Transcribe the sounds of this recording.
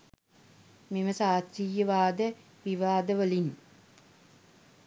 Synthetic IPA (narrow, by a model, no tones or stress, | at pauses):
meməsaːt̪ɾijəʋaːd̪ə | ʋiʋaːd̪əʋəlin